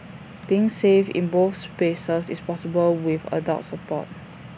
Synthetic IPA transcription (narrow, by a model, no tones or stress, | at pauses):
b̥iɪ̃ŋsevḭ̃nboθspesəsḭspɔsibəlwivə̰da̰ltsəpɔ̰t̚